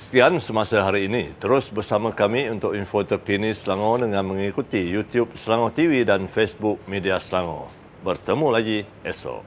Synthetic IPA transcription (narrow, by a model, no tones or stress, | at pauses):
sə̥kiansəmasaɦaɾiːnit̪əɾʊsbərsamãkamiunt̪ʊkinfot̪əpinisəlaŋõdəŋãnmə̃ŋikut̪ijut̪jup̚səlaŋot̪ividanfesbuk̚mẽdiasəlaŋõ̰ | bərt̪əmũlaɡiʔɛso̰